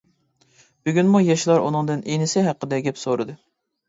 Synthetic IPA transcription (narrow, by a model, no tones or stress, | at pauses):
b̥yɡʲynmujɑʃlˠɑɾṵnɨŋd̪ɨnenɪsɪɦæqːəd̪ɛɡʲɛpsoɾɨd̪ɨ